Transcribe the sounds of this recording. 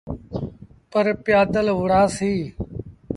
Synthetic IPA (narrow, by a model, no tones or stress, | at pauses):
pəɾpjaːd̪əlʋʊɽaːsiː